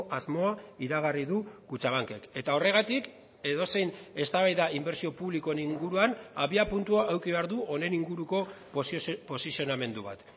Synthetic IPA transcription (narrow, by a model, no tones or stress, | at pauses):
ʔazmo̞aiɾaɣ̞ariðukut͡ʃaβaŋke̞ke̞t̪ao̞re̞ɣ̞at̪ik | e̞ðo̞se̞jne̞st̪aβajðaimbe̞ɾsio̞puβliko̞niŋɡuɾuanaβiapunt̪uaʔːwkiβ̞e̞aɾðuo̞ne̞niŋɡuɾuko̞ | po̞sisioname̞nd̪uβa̰t̪